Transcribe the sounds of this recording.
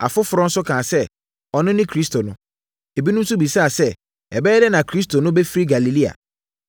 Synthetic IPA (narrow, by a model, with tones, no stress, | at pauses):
a̰˨fʊ˦fʊ˨ɾɔ̃˦n̩˦sʊ˦kʰãː˨sɛ˦ | ɔ˨nʊ̃˦nɪ̃˦kʰɾi˦s̬tʰo˨nʊ̃˦ | e˨bi˦nʊ̃˦n̩˦sʊ˦bi˨sa˦a˨sɛ˦ | ɛ˨bɛː˦dɛ˦nã˨kʰɾi˦s̬to˨nʊ̃˦bɛ˦fi˦ɾi˦ɡa˨li˨li˦a̰˨